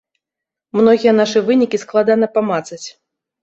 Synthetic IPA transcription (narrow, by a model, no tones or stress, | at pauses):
mnɔɣʲijɛnaʂɨvɨnʲikʲisklˠad̪anɐpamat̪sɐt͡sʲ